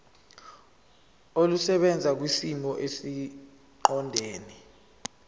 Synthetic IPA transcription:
olusɛɓɛnd͡zʱak̬wisimɔʔesi | ǃɔndʱeːni

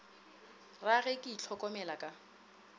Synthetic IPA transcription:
raɣɛkʼɪit͡ɬʰɔkʼɔmɛlakʼa

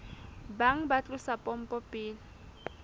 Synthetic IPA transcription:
baŋ̩bat͡ɬʼʊsapʼɔm̩pʼɔpʼɪːlɪ

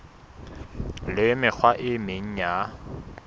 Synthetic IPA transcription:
lɪmɪk͡xʰwaʔɪmeŋ̩ja

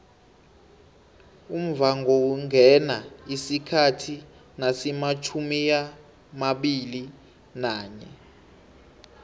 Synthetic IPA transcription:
um̩vaŋʱɔwuŋʱɛnaisikʰatʰi | nasɛmat͡ʃʰumia | maɓili | naːɲɛ̰

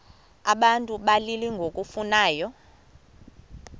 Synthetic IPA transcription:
aɓantʼuɓaliliŋɡʱokʼufunaːjɔ

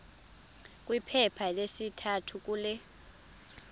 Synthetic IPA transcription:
kʼwipʰɛpʰalesitʰatʰuk̬ʼuːlɛ

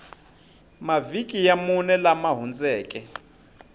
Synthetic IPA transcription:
mavikʼijamunɛlamaɦund͡zɛːkʼɛ

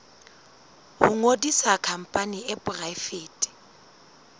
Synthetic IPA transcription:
hʊŋodisakʰam̩pʼaniɛbʼʊrajfeːtʼi̥

